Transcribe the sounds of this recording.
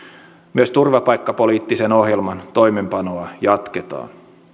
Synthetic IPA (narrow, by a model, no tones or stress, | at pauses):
myøst̪urʋɑpɑjkːɑpo̞liːt̪ːise̞no̞ɦjelmɑnt̪o̞jme̞mpɑnoɑjɑt̪ke̞t̪ɑ̰ːn